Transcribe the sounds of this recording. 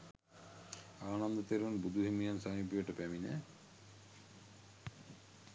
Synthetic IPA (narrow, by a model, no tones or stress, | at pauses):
aːnɐnd̪ɐt̪eɾʋɐnbud̪ʱuɦimijansamipijɐʈːɐpɛmine